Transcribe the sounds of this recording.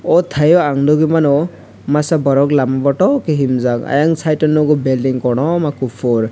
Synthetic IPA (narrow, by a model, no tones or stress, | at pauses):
ɔt̪ʰajɔaŋdɔɡimanɔ | masabɔɾɔklamabɔʈɔkeɦimzaka̰jaŋsʰajtɔnɔɡɔbeldiŋkɔɽ̃ɔmakupʰoɾ